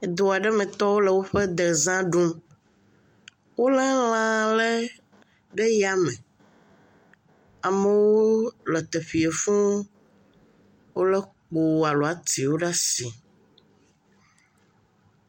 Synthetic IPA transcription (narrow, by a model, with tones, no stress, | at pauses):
e˨d̪o˨a˨ɖɛ˦mẽ˨t̪ɔ˦wo˦lɛ˨wo˦ɸɛ˦d̪ɛ˨zã˦ɖu˦m | wo˦lɛ˦l̃ã˨lɛ˦ | ɖe˦ja˦mẽ˨ | a˨me˨wo˦lɛ˨t̪e˨ɸi˨e˨fũ˦ | wo˦lɛ˦k͡po˨a˨lɔ˨a˨t̪i˨wo˦ɖa˦si˨